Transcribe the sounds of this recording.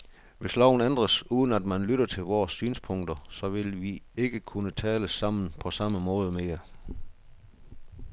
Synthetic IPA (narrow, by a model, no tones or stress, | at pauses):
ʋe̝slɒʊ̰n̩end̥ʁɐsuːð̞ˠən̩æd̥mænlyɾɐt͡sʰe̝lʋɒːsːyːnspʰɔ̽ŋ̰d̥ɐsɒ̽ʋe̝lʋie̝ɡ̥əkʰunət͡sʰɛːləsɑ̈m̰n̩pʰɒ̽sɑ̈məmɔ̽ːð̞ˠəmeɐ